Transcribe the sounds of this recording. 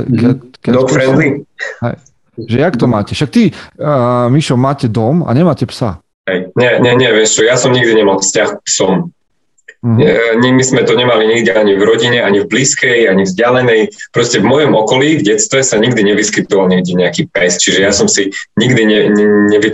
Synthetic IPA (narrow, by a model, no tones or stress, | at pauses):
kɛkɛd̪ɔkfɾɛnd̪liɦɛ̰j | ʒɛjakt̪ɔmaːcɛʃak̚t̪i | miʃɔmaːcɛd̪ɔma̰ɲɛmaːcɛpsa̰ | ɦɛjɲɛɲɛɲɛʋɪɛmst͡ʃɔjasɔmɲiɡd̪iɲɛmalfscaxsɔm | ɲmizmɛt̪ɔɲɛmaliɲiɡd̪iaɲivɾɔɟiɲɛʔaɲivbliːskɛjaɲivzɟɪalɛnɛjpɾɔscɛvmɔjɔmɔkɔliːvɟɛt̪st̪ʋɛsaɲiɡd̪iɲɛʋiskit̪ɔʋalɲɛɡd̪ɛɲɛakipɛst͡ʃiʒɛjasɔmsiɲiɡd̪iɲɛɲɛɲɛʋi